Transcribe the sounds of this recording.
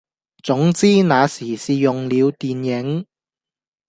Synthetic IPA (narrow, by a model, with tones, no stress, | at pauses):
t͡sʊ˨˥ŋt͡siː˥naː˨˧siː˨˩siː˨jʊ˨ŋliː˨˧wt̪iː˨njɪ˨˥ŋ